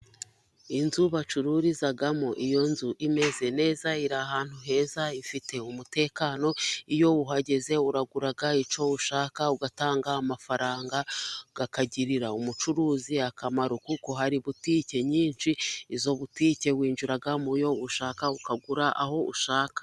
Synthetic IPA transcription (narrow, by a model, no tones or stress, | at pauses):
inzuβat͡ʃuɾuɾizaɡamoʔijo̞nzuʔime̞ze̞ne̞ːzaiɾaɦaːn̥huɦe̞ːzaifite̞umute̞ːkaːno̞ijo̞uɦaɟe̞ze̞uɾaɡuɾaɡait͡ʃo̞uʃaːkauɡataːŋɡaːmafaɾaːŋɡaɡ̥akaɟiɾiɾaumut͡ʃuɾuːziakamaɾokuko̞ɦaɾiβutice̞ɲiːnʃiːzo̞βutiːce̞βwiːnʒuɾaɡamujo̞uʃaːkaukaɡuɾaʔaho̞ṵʃaːkḁ